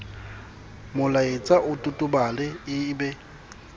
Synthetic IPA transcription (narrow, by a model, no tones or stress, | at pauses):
mʊlaɪt͡sʼaʔʊtʼʊtʼʊbalɛɪbɛ